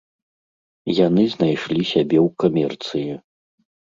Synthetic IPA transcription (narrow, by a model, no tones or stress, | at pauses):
janɨznajʂlʲisʲabʲɛwkamʲɛrt̪sɨjɛ